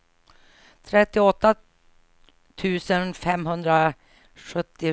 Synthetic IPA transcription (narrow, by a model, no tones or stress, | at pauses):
t̪ʰɾɛt̪ːɪɔt̪ːa | t̪ʰʉ̟ːsənfɛmɦɵnd̪ɾa | ɧɵt̪ːɪ